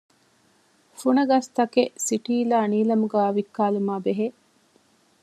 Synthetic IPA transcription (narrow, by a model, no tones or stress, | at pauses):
fuɳɐɡɐst̪ɐkeʔsiʈiːlaːniːlɐmuɡæːɐʋikːaːlumaːbeɦe